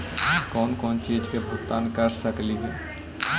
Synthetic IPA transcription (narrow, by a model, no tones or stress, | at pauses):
kɔːnkɔːnt͡ʃiːd͡ʒkebʱʊkt̪aːnkɐɾsəkliɦɛː